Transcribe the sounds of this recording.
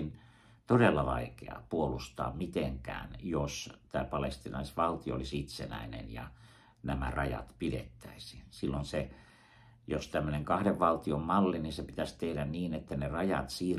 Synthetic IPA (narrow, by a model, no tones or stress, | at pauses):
n | t̪odelːɑʋɑ̰ikḛɑ̰puolust̪ɑ̰ːmmit̪eŋkæ̰ːnjost̪æːpɑlest̪inɑisʋɑlt̪io̰o̰lisit̪sḛnæ̰inḛnjɑ̰ | næmærɑjɑ̰t̪pidḛt̪ːæisi̥nsilːonse | jost̪æmːøneŋkɑhdeʋʋɑlt̪iommɑlːininsepit̪æst̪ehdænniːnet̪ːænerɑjɑ̰t̪siː